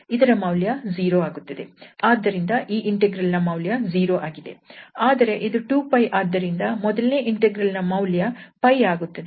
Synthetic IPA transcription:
id̪ɐɾɐmɐwljɐziːɾoaːɡut̪ːɐd̪e̞̰aːd̪ːɐɾind̪ɐʔiːʔiɳʈeɡɾɐlnɐmɐwljɐziːɾo̞ːʔaːɡid̪e̞̰aːd̪ɐɾe̞ʔid̪uʈuːpɐjʔaːd̪ːɐɾind̪ɐmɔd̪ɐlne̞ːʔiɳʈeɡɾɐlnɐmɐwljɐpɐjaːɡut̪ːɐd̪e

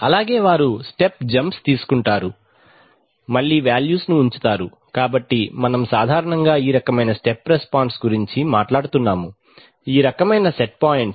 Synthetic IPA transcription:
ɐlaːɡe̞ːʋaːɾusʈepd͡ʒɐmpst̪iːsu̥kuɳʈaːɾu | mɐɭːiːʋaːljuːsnuːɲt͡ʃu̥t̪aːɾu | kaːbɐʈːimɐnɐmsaːd̪ʱaːɾɐɳɐŋɡaːiːɾɐkɐmɐjnɐsʈepːɾespaːɳʈsɡuɾiɲt͡ʃimaːʈlaːɽut̪unːaːmu | iːɾɐkɐmɐjnɐseʈ̚paːjiɳʈs

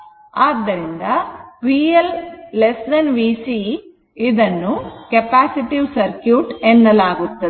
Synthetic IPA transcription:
aːd̪ːɐɾind̪ɐpiːelːesdɐnʋiːsi | id̪ɐnːukɐpaːsiʈiʋsɐɾkjuːʈɛnːɐlaːɡut̪ːɐd̪i

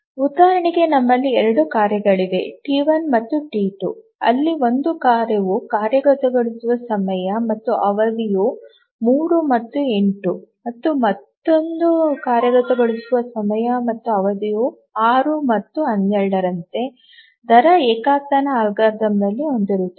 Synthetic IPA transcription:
ud̪aːɾɐɳiɡe̞nɐmːɐlːiɛɾɐɽukaːɾjɐɡɐɭid̪e̞̰ʈiːʋɐnmɐt̪ːuʈiːʈṵ | ɐ̰lːio̞nd̪ukaːɾeʋukaːɾjɐɡɐt̪ɐɡɐɭusuʋɐsɐmɐjɐmɐt̪ːuʔɐʋɐd̪iju | muːɾumɐt̪ːue̞ɳʈumɐt̪ːumɐt̪ːo̞nd̪ukaːɾjɐɡɐt̪ɐɡɐɭisuʋɐsɐmɐjɐmɐt̪ːuɐʋɐd̪iju | aːɾumɐt̪ːuɐnd̪ɛɾɐɽɐɾɐnt̪e̞ | d̪ʱɐɾɐeːkaːt̪anɐaːlɡaːɾd̪ɐmd̪ɐlːiond̪iɾut̪ːe

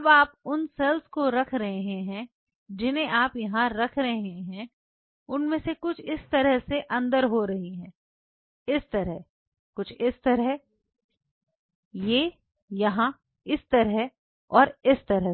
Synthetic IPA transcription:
baːp̚ʊnselskoɾɐkʰɾɐɦeɦẽɦɛ̃ | d͡ʒɪnẽʔaːpjɐɦãɾɐkʰɾɐɦɦẽɦɛ̃ | ʊnmẽsekʊt͡ʃʰɪst̪ɐɾəɦseʔɐ̃nd̪əɾɦoɾɐɦiɦɛ̃ː | ɪst̪ɐɾəɦ | kʊt͡ʃʰɪst̪ɐɾəɦ | je | jɐɦã | ɪst̪ɐɾəɦ | ɔːɾɪst̪ɐɾəɦ

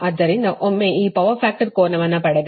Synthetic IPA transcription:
ɐd̪ːɐɾɪnd̪ɐʔɔmːeːiːpɐʋɐfaːk̚ʈɐɾkoːnɐʋɐnaːpɐɽɐd̪

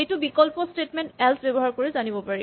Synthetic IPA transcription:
ejtubikɔlpɔstetmɛntɛlsbebɔɦaɹkoɹɛzanibɔpaɹi

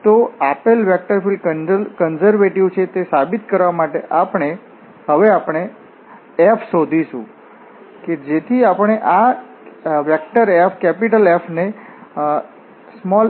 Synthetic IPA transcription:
t̪oapelʋɛk̚ʈəɾfiləkənzəɾʋeʈiʋt͡ʃʰet̪esabit̪kəɾʋamaʈeʔapɳe | ɦəʋeapɳ̃e | epʰsod̪ʱiʃũ | ked͡ʒet̪ʰiapəɳ̃eʔa | ʋɛk̚ʈəɾefʰkɛpiʈəlefʰne | smɔl

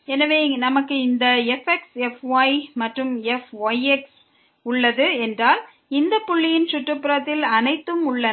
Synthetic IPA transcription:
ɛnɐʋeːnɐmɐkːɯɪnd̪ɐɛfɛksɛfʋɐɪmɐʈrɯmɛfʋɐɪɛks | ʊɭːɐðɯɛndraːl | ɪnd̪ɐpːʊɭːɪjɪnt͡ʃʊʈrɯpːɯɾɐt̪ːɪlɐnɐɪt̪ːɯmʊɭːɐn

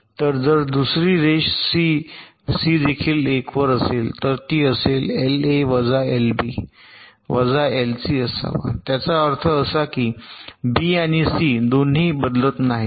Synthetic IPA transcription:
t̪əɾd͡zəɾd̪usɾiːɾeɕsi | siːd̪ekʰiːlekʋəɾəselt̪əɾt̪iːəseleleʋəd͡zaelbi | ʋəd͡zaelsiːəsa̰ʋa̰t̪jat͡saəɾt̪ʰəːsakiːbiaɽ̃isiːd̪onɦiːbəd̪lət̪naɦi

